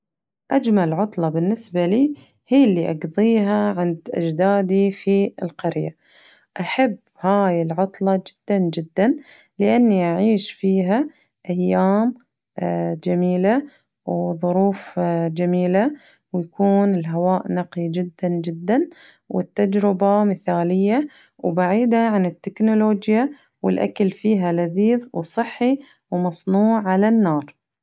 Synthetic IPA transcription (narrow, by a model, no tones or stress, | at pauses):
ʔad͡ʒmalʕʊt̪ˤlɑbɪnːɪsbaliː | hiːlːiʔɑɡðˤiːɦaʕɪnd̪ʔa̰d͡ʒd̪aːd̪ifiɪlqɑɾja̰ | ʔaħabːhaːjɪlʕʊt̪ˤlɑd͡ʒɪ̥d̪̥ːand͡ʒɪd̪ːan | lɪʔanːiʔaʕiːʃfiːɦa | ʔajːaːm | d͡ʒamiːla | wðˤʊɾuːfd͡ʒamiːla | wjakuːnɪlɦawaːʔnɑqid͡ʒɪd̪ːand͡ʒɪd̪ːan | wɪt̪ːad͡ʒɾɪbamɪθaːlɪjːa | wbaʕiːd̪aʕanɪt̪ːɪknoloːd͡ʒja | wɪ̰lʔa̰kalfiːɦalaðiːðwsˤɨħːi | wmɑsˤnuːʕːalanːɑːɾˤ